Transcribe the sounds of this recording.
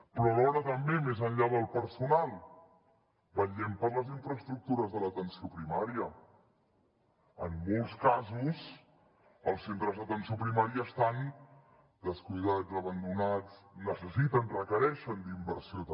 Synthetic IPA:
pɾɔlɔɾət̪əmbemezənʎaðəlˠpəɾsunalˠ | bəʎɛmpəɾləziɱfɾəst̪ɾuk̚t̪uɾəzðələt̪ənsiopɾimaɾiə | əmːolˠskazus | əlˠsent̪ɾəzðət̪ənsiopɾimaɾiəːst̪an | d̪əskujðad͡zəβənd̪unad͡znəsəsit̪ənrəkəɾɛʃənd̪imbəɾsio

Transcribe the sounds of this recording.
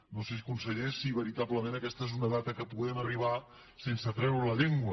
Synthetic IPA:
noses̬ikunsəɣeʃsiβəɾit̪apləmenəkɛst̪əezunəðat̪əkəpuɣɛməriβ̞a | sensət̪ɾɛwɾələʎeŋɡwə

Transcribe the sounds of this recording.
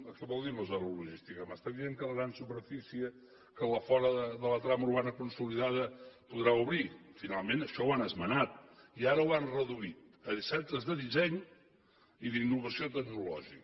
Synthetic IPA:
əkɛβɔlˠd̪iɾnozɔβəluʒist̪ikəmast̪aβieŋkələɣɾansupəɾfisiə | kələfɔɾəðəðələt̪ɾaməuɾβanəkunsuliðaðəpuðɾauβɾifinalˠmenəʃɔwanəzmənat̪̚iaɾəwanrəðuit̪əðisɛp̚t̪əzðəðizɛɲ | iðinːuβəsiot̪əɡnulɔ̰ʒik

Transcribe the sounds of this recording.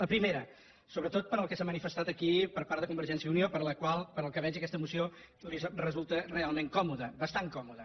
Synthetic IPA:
ləpɾimeɾə | soβɾət̪ot̪̚pəɾəlˠkɛsamənifəst̪at̪əkipəɾpaɾðəkumbəɾʒɛnsiəuniopəɾləkwalˠpəɾəlˠkəβɛʒəkɛst̪əmusio | lizrəzulˠt̪ərealˠmeŋkɔmuðəbəst̪aŋkɔmuðə

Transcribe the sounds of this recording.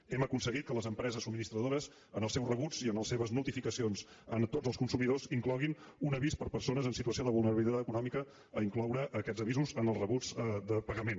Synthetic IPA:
ɛməkunsəɣit̪̚kələzəmpɾɛzəsubminist̪ɾəðoɾəz | ənəlˠsɛwzrəβud͡ziənəlˠseβəznulˠt̪ifikəsions | ənt̪od͡zəlˠskunsumiðoziŋklɔɣinunəβispəɾpəɾsonəzənsit̪uəsioðəβulˠnəɾəβilit̪at̪əkunɔmikə | əiŋklɔwɾəʔːkɛdd͡zəβ̞izuzənəlˠzrəβud͡zd̪əpəɣəmen

